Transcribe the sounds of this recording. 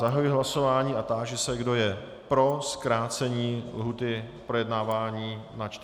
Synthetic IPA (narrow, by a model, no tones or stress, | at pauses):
aɦajuiɦlaso̞vaːɲiːʔat̪aːʒɪsɛɡdo̞jɛ | pɾo̞skɾaːt͡sɛɲiːlɦut̪ɪpɾo̞jɛdnaːvaːɲiːnat͡ʃt̪